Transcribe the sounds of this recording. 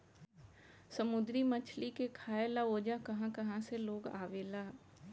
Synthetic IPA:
səmʊd̪ɾimɐt͡ʃʰlikekʰaːelaoːd͡ʒakɐɦãkɐɦãseloːɡa̰ːʋelaː

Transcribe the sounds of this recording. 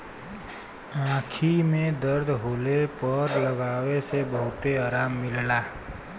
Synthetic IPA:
ãːkʰimẽd̪əɾd̪ʱɦoːlepəɾləɡaːʋesebəɦʊt̪eaːɾaːmːɪllaː

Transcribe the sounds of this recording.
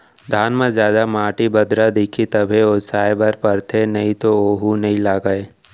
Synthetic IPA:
d̪ʱaːnmẽzjaːd̪amaːʈibɐd̪ɾad̪ikʰit̪ɐbʱeosaːjbɐɾpɐɾt̪ʰenɐɦĩt̪ooːɦunɐɦĩlaːɡəeː

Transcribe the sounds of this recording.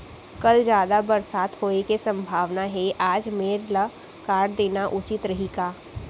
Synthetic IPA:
kɐld͡ʒjaːd̪abɐɾsaːt̪hoːekesɐ̃mbʱaːʋnaɦɛʔaːd͡ʒmeːɾla | kaːɾɖd̪eːnaʔʊt͡ʃɪt̪ɾɐɦikaː

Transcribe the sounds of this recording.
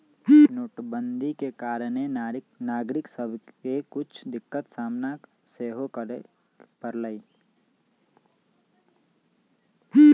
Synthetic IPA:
nuːʈbə̃nd̪ʱikekaːɾənennaːɡɾɪksəbʱkekʊt͡ʃʰd̪ɪkːət̪saːmna | seːɦok | pəɾləiː

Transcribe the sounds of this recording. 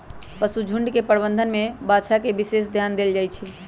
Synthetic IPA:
pəsud͡ʒʱuɳɖkepəɾbənd̪ʱənmebaʃakebisesd̪ʱjand̪eld͡ʒajt͡ʃʰi

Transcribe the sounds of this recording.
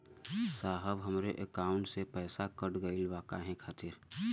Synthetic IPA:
saːɦəbɦəmɾeʔəkaːʊɳʈsepɛːsakəʈɡəilʋaːkaɦɛ̃kʰaːt̪ɪɾ

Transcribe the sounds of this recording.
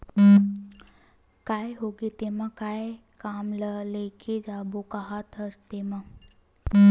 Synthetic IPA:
kaːjɦoɡet̪emãkae | kaːmləlekʰed͡ʒabokaɦat̪ɦəst̪emã

